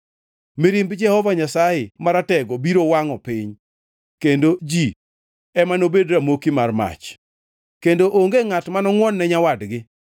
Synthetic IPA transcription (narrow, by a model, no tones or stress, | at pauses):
miɾimbd͡ʒɛhɔvaɲasajɪmaɾatɛɡɔbiɾowaŋɔpɪɲ | kendod͡ʒi | ɛmanobedɾamokimarma̰t͡ʃ | kendoʔoŋɡeŋatmanɔŋwɔnːɛɲawadɡɪ